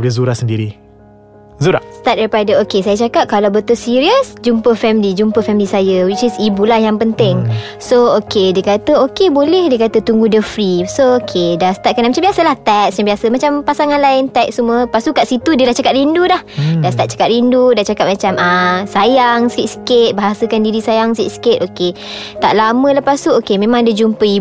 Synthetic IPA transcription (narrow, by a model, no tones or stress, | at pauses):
ləzuɾasəndiɾi | zuɾa̰ʔst̪at̪̚daɾipadəokesajət͡ʃakat̪̚kalawbət̪əlsiɾiəsd͡ʒumpəfɛmilid͡ʒumpəfɛmilisajəwit͡ʃisibulahjaŋpənt̪ɪŋ | sookediəkat̪əokebolɛhdiəkat̪ət̪uŋɡudəfɾisookʰedasə̥t̪at̚kanaʔmat͡ʃambiasəlaht̪ak̚sɲambiasəmat͡ʃampasaŋanlaɪnt̪ak̚sumuəpast̪ukaʔsit̪udiəlaht͡ʃakat̪̚ɾindulahdast̪aʔ̚t͡ʃḁkat̪̚ɾindudat͡ʃakat̪̚mat͡ʃamasajaŋsəkit̪sə̥kɪt̪̚baɦasəkandiɾisajaŋskḭʔ̪skɪt̪oket̪a̰ʔlamə̃ləpast̪uokemẽmãŋdəd͡ʒumpəi